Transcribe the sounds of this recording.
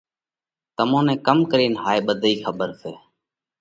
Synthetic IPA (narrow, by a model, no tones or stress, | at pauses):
t̪əmõːnẽːkəmkəɾiːnɦaːeːɓəd̪ʱiːxʰəɓəɾseː